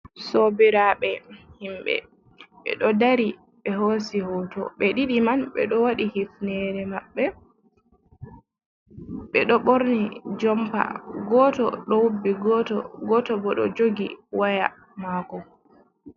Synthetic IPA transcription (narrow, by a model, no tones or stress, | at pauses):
sobiɾaɓɛhimɓɛ̰ | ɓɛ̰ɗɔdaɾi | ɓɛɦoːsihɔtɔ̰ɓɛɗiɗimanɓɛ̰ɗɔwaɗihifnɛɾɛmaɓːɛ | ɓɛɗɔɓoɾnid͡ʒɔmpa̰ɡɔtɔ̰ɗɔwubːiɡɔtɔ̰ɡɔtɔbɔɗɔ̰d͡ʒoɡiwaja̰ | makɔ